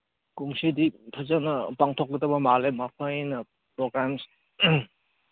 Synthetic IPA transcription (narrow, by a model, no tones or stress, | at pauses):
kuŋsiditʰazanɐpaŋtʰɔk̚ːətɐbamalemapʰajnɐ | pɾɔɡɾams